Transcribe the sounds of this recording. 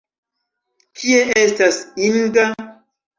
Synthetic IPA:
kʰieʔestasiŋɡa

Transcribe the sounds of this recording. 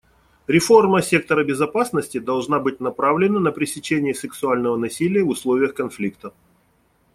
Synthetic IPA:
ɾʲɪfo̞rməsʲe̞k̚t̪əɾəbʲɪzɐpasnəsʲtʲɪd̪ɐlˠʐnabɨt̚ʲnɐpɾavlʲɪnənəpɾʲɪsʲɪt͡ɕenʲɪjəsʲɨksʊalʲnəvənɐsʲilʲɪjəvʊslˠovʲɪjəxkɐnflʲikt̪ə

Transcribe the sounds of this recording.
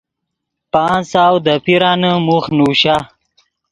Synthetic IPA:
paːnsaːwd̪əpiɾaːnəmuxnuːɕa

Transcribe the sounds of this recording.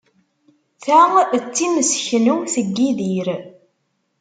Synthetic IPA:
θæʁət͡sːiməsçnuθəɡːiðiɾ

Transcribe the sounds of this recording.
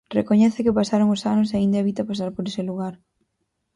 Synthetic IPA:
rḛkoɲɛθɪkɪpasaɾoŋʊsanʊs̬eaĩnd̪eeβit̪apas̬aɾpoɾesɪluɣaɾ

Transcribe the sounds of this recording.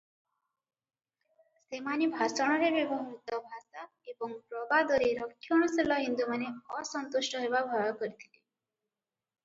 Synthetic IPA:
semanibʱasɔɽ̃ɔɾeɾibɔɦmut̪ɔbʱasa | ebɔŋpɾɔbad̪ɔɾeɾɔkʰːjɔɽ̃ɔselɔɦind̪umaneɔsɔnt̪usʈɔɦebabʱɔjɔkɔɾit̪ʰile

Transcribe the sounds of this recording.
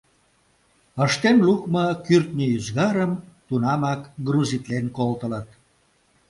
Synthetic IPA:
əʃt̪enlukməkyrt̪nʲiyzɣɑɾəmt̪unɑmɑkɡruzit̪lenkolt̪ələt̪̚

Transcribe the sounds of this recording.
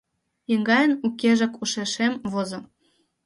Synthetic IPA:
jə̆ŋɡɑjə̆nukeʒĕkuʃeʃemβozŏ

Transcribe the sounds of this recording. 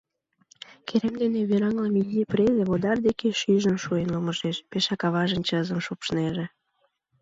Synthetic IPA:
kʰeɾemd̪eneβeɾɑŋləminʲːiprezeβod̪ɑrd̪ekeʃyʒə̆nʃuenloməʒeʃpeʃɑkɑβɑʒə̆nt͡ɕəzə̆mʃopʃneʒĕ

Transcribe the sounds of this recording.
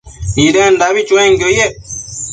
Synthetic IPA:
idɛndaβit͡ʃwɛ̃ŋɡoje

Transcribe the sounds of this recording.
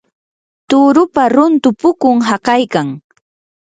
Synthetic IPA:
t̪ʊːɾʊpaɾʊnt̪ʊpʊkʊŋɦakɑjkaŋ

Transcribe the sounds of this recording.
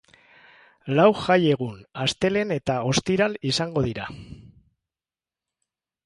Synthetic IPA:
lawʝaje̞ɣ̞unast̪e̞le̞ne̞t̪ao̞st̪iɾalisaŋɡo̞ð̞iɾa

